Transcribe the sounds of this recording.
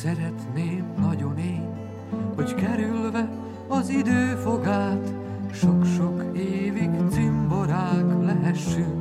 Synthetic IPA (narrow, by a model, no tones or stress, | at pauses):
sɛɾɛt̪neːmnɒɟo̞neːɲ | ho̞ɟkɛɾylvɛ | ɒzid̪øːfo̞ɡaːt̪ | ʃo̞kʃo̞keːviɡt̪simbo̞ɾaːklɛɦɛʃːyŋk